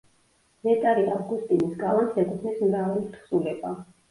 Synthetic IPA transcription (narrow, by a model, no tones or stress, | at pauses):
mɛt̪ʼaɾiavɡust̪ʼinisɡalˠansɛkʼuχʰnismɾavalit̪χsulɛba